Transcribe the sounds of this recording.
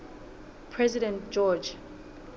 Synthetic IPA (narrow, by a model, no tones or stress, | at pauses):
pʰɹɛzidɛ̃ntd͡ʒɔd͡ʒ